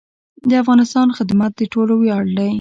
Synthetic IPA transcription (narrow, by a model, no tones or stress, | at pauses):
d̪əafɣɑnɪst̪ɑnxɪd̪mat̪̚d̪əʈoloweɑɽd̪aj